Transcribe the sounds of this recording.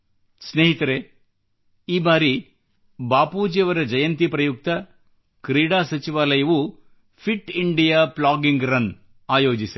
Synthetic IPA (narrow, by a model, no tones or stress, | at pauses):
sneːɦit̪ɐɾe | iːbaːɾi | baːpuːd͡ʒjɐʋɐɾɐd͡ʒɐjɐnt̪ipɾɐjuk̚t̪ɐ | kɾiːɽaːsɐt͡ʃiʋaːlɐjɐʋu | pʰiʈiɳɖijaːplaːɡiŋɡɾɐn | aːjo̞ːd͡ʒisi